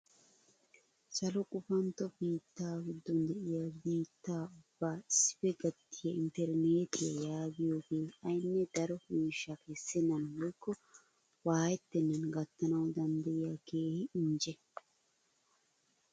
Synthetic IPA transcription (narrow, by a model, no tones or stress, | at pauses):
sɐlɔkʼʊfɐnt̪ːɔbiːt̪ːaːɡʊd̪ːɔnd̪ɛʔɪjabiːt̪ːaːʊb̥ːaːɪsːɪ̥fɛɡɐt̪ʰːɪjɐɪnt̪ɛɾneːt̪ɪjɐ̰jaːɡɪjoːɡeːɐjnːɛd̪ɐɾɔmiːʃːɐkɛsːɛnːɐnbɔjkːɔ | waːjɛt̪ːɛnːɐnɡɐt̪ːɐnɐwd̪ɐnd̪ɐʔɪjakeːhɪɪɲd͡ʒɛ